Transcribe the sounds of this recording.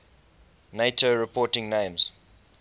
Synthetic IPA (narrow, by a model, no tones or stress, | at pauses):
neɪtʰoɹɪpʰɔtɪ̃ŋnẽɪ̃mz̥